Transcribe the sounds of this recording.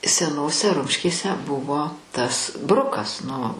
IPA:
sʲɛˈnoːsʲɛ ˈrʊmʲʃʲkʲeːsʲɛ ˈbʊʋoː tɐs ˈbrʊkɐs nʊ

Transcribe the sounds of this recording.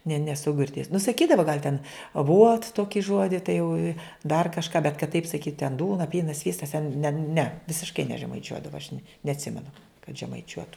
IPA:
nʲɛ nʲɛˈsʊ ɡʲɪrʲˈdʲeːjʊs nʊ sɐˈkʲiːdɐʋoː ɡɐlʲ tʲɛn ɐˈʋuɔt ˈtoːkʲɪ ˈʒuɔdʲɪ tɐɪ jɛʊ ɪ dɐr kɐʃˈkɑː bʲɛt kɐt tɐɪp sɐˈkʲiːt tʲɛn ˈduːnɐ ˈpʲiːnɐs ˈsʲʋʲiːstɐs tʲɛn nʲɛ nʲɛ ʋʲɪsʲɪʃˈkɐɪ nʲɛʒʲɛmɐɪˈt͡ʃʲuɔdɐʋɐ ɐʃ nʲɛ nʲɛɐtʲˈsʲɪmʲɛnʊ kɐt ʒʲɛmɐɪˈt͡ʃʲuɔtʊ

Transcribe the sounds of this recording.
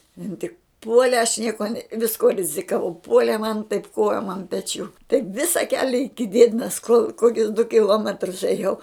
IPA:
ˈɪn tʲɪk ˈpuɔlʲɛ ɐʃ ˈnʲiɛkoː nʲɛ ʋʲɪsˈkuɔ rʲɪzʲɪkɐˈʋɐʊ ˈpuɔlʲeː mɐn tɐɪp ˈkoːjoːm ɐn pʲɛˈt͡ʃʲuː tɐɪp ˈʋʲɪsɐ ˈkʲæːlʲɛ ɪkʲɪ ˈdʲiɛdʲɪnɐs koːlˠ ˈkoːkʲʊs dʊ kʲɪˈlˠoːmʲɛtrʊs eːˈjɛʊ

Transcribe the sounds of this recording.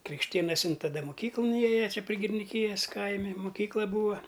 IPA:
krʲɪkʃʲˈtʲeːnɐsʲɪn tɐˈdɐ moːˈkʲiːklˠʊn ˈeːjɛ ˈt͡ʃʲɛ pʲrʲɪ ɡʲɪrʲɪnʲɪˈkʲiːjɛs ˈkɐɪmʲɪ mʊˈkʲiːklˠɐ ˈbuːɐ

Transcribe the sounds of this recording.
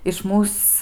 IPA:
ɪʃ ˈmuːs

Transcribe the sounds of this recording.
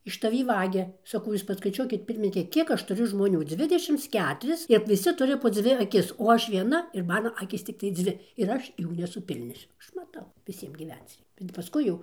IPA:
ɪʃ tɐˈʋʲiː ˈʋɑːɡʲɛ sɐˈkɐʊ ˈjuːs pɐskɐɪˈt͡ʃʲuɔkʲɪt ˈpʲɪrʲmʲɪnʲɪkʲɛ ˈkʲiɛk ˈɐʃ tʊˈrʲʊ ʒmoːˈnʲuː ˈd͡zʲʋʲɪdʲɛʃʲɪms ˈkʲæːtʊrʲɪs ɪr ʋʲɪˈsʲɪ ˈtʊrʲɪ poː ˈd͡zʲʋʲɪ ɐˈkʲɪs oː ˈɐʃ ʋʲiɛˈnɐ ɪr ˈmɑːnoː ˈɑːkʲiːs ˈt͡sʲɪktɐɪ ˈd͡zʲʋʲɪ ɪr ˈɐʃ ˈjuː nʲɛsʊˈpʲɪlʲnʲoːsʲʊ ˈɐʃ mɐˈtɐʊ ʋʲɪˈsʲiɛm ɡʲiːˈʋʲɛnt͡s ˈrʲɛɪ bʲɛt pɐˈskʊɪ jɛʊ

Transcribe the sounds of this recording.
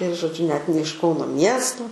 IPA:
ɪr ʒoːˈd͡ʒʲʊ nʲɛt nʲɛ ɪʃ ˈkɐʊnoː ˈmʲiɛstoː

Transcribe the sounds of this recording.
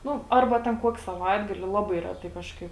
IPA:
ˈnʊ ˈɐrbɐ tʲɛn ˈkuɔkʲɪ sɐˈʋɐɪdɡɐlʲɪ ˈlˠɑːˌbɐɪ ˈrʲæːˌtɐɪ ˈkɑːʃˌkɐɪp

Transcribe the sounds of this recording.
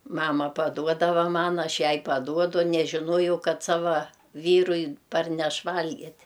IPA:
ˈmɑːmɐ pɐˈduɔdɐʋɐ ˈmɐn ˈɐʃ ˈjɛɪ pɐˈduɔdʊ nʲɛʒʲɪˈnuɔjɛʊ ˈkɐt ˈsɑːʋɐ ˈʋʲiːrʊɪ ˈpɐrʲnʲɛʃ ˈʋɐlʲɡʲɪtʲ

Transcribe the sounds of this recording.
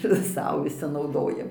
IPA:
ɪr ˈsɐʊ ʋʲɪˈsʲɪ nɐʊˈdoːjɛm

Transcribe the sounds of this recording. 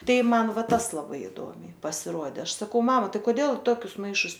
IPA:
ˈtɐɪ ˈmɐn ˈʋɐ ˈtɐs lˠɐˈbɐɪ ɪˈduɔmʲɛɪ pɐsʲɪˈruɔdʲɛ ˈɐʃ sɐˈkɐʊ ˈmɑːmɐ ˈtɐɪ koːˈdʲeːlˠ ɪ ˈtoːkʲʊs ˈmɐɪʃʊs

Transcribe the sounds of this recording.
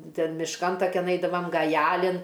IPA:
ˈtʲɛn mʲɪʃˈkɐn tɐˈkʲɛn ˈɐɪdɐʋɐm ɡɐˈjæːlʲɪn

